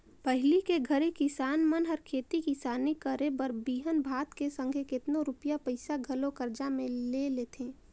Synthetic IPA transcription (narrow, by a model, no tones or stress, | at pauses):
pəɦɪlikeɡʱəɾikɪsaːnmənɦəɾkʰeːt̪ikɪsaːnikəɾebəɾbiːɦənbʱaːt̪kesə̃ŋɡʱekɪt̪noɾʊpjapəɪsaɡʱɐlokəɾd͡ʒamẽlelet̪ʰẽː